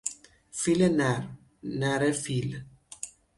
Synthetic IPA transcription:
filenaɾ | naɾefil

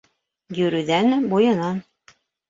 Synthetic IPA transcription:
jɵ̆ɾʉðænbujɤ̆nɑn

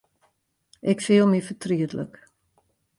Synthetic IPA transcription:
ʔɛkfiəlˠmifətriətlə̰k

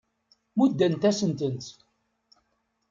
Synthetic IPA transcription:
mud̪ːænt̪æsənt̪ənt̪

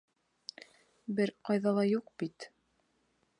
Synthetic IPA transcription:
bɘɾqɑjðɑlˠɑjuqb̥it̪

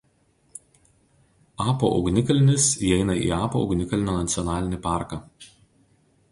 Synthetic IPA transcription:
ɑːpo̰ʔɒ̰ʊɡnʲɪkɐlʲɪnʲɪsiɛɪnɐḭːɑːpoːɔ̰ʊɡnʲɪkɐlʲɪnʲoːnɐt̪sʲɪɔnɑːlʲɪnʲiːˑpɑːˑɾkɑ

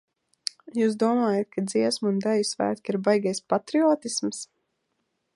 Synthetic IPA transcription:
juːsd̪uɔmaːjat̪̚kʰad̪ziɛsmund̪ajusvæ̰ːt̪kiɾbajɡajspat̪ɾiɔːt̪isms

